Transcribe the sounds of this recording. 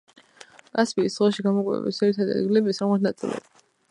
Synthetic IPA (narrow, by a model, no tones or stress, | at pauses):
kʼaspʰʼiːsd̪ʁɔʃiɡamɔkʼwɛ̰bḭsɛɾit̪ʰad̪ɛ̰d̪ɡilɛbisʁmat̪nat̪sʼḭlˠɛ̰b